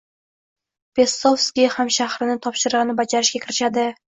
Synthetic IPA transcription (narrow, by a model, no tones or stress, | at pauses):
pe̞sofskʲihamʃahɾɪnɪt̪ʰɒpʃɪɾɨʁɨnɪbad͡ʒaɾɪʃɡʲakʰʲɪɾɪʃad̪ɪ